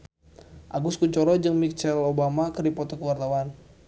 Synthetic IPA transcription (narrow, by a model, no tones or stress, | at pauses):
ʔaɡuskuɲt͡ʃɔɾɔd͡ʒəŋmit͡ʃɛlobamakərdipɔt̪ɔkəwart̪awan